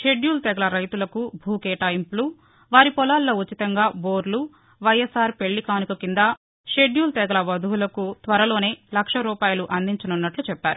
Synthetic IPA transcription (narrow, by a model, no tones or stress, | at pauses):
ʃe̞ɖjuːlt̪ɛɡɐlɐɾɐjt̪ulɐkubʱuːkɛːʈaːjimplu | ʋaːɾipɔlaːlːoːut͡ʃit̪ɐŋɡaːboːɾlu | ʋɐjesaːɾpe̞ɭːikaːnikɐkind̪ɐ | ʃe̞ɖjuːlt̪ɛɡɐlɐʋɐd̪ʱuwulɐkut̪ʋɐɾɐlo̞ːne̞ːlɐkʂɐɾuːpaːjɐluʔɐnd̪iɲt͡ʃɐnunːɐʈlut͡ʃɛpːa̰ːɾu